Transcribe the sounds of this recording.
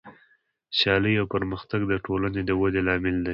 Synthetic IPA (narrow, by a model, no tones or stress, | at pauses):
sjɑləjawpəɾməxt̪aɡd̪əʈolaned̪əwad̪elɑmɪld̪a